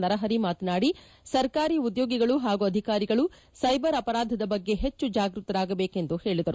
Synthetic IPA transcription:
nɐɾɐɦɐɾimaːt̪naːɽi | sɐɾkaːɾiːud̪jo̞ːɡiɡɐɭuɦaːɡuɐd̪ʱikaːɾiɡɐɭu | sɐjbɐɾɐpɐɾaːd̪ʱɐd̪ɐbɐɡːe̞ɦet͡ʃːud͡ʒaːɡɾut̪ɐɾaːɡɐbeːke̞nd̪uhe̞ːɭid̪ɐɾu

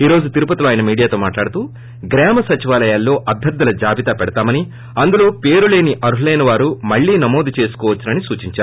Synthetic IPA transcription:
iːɾoːd͡ʒut̪iɾupɐt̪iloaːjɐnɐmiːɽijaːt̪oːmaːʈlaːɽut̪uː | ɡɾɛːmɐsɐt͡ʃiʋaːlɐjaːlːo̞ːʔɐb̪ʱɐɾd̪ɐlɐd͡ʒaːbit̪aːpɛɽɐt̪aːmɐni | ɐnd̪ulo̞ːpe̞ːɾule̞ːniʔɐɾuɦlɐjnɐʋaːɾumɐɭːiːnɐmo̞ːd̪ut͡ʃe̞ːsu̥kɔːʋɐt͡ʃːunɐnisuːt͡ʃiɲt͡ʃaːɾu

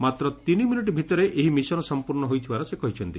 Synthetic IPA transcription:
mat̪ɾɔt̪iniminiʈ̬ibʱit̪ɔɾeʔeɦimisɔnɔsɔmpuɾnɔɦojt̪ʰibaɾɔsekɔɦit͡ʃʰɔnt̪i

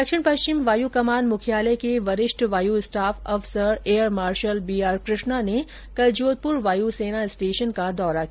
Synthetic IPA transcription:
dɐkʃɪɽ̃pɐʃt͡ʃɪmʋaːjukɐmaːnmʊkʰijaːlekeʋɐɾɪʃʈʋaːjuɪsʈaːfʰɔːfsəɾeːjəɾmaːɾʃəlbiːaːɾkɾɪʃnane | kɐld͡ʒoːd̪̚pʊɾʋaːjuseːnaɪsʈeːʃənkad̪ɔːɾak

